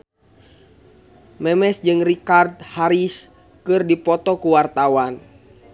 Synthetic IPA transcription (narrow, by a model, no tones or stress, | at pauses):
mɛmɛsd͡ʒɨŋrikard̪̚haɾis | kɨrdipɔt̪ɔkuwart̪awan